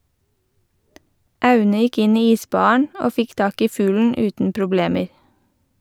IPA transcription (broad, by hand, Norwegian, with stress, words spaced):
ˈʔɑʉnə ˈjɪk ˈɪn ˈiː ˈiːˌsbɑːɑɳ ˈoː ˈfɪk ˈtɑːk ˈiː ˈfʉːln̩ ˈʉːtn̩ pɾʊˈbleːməɹ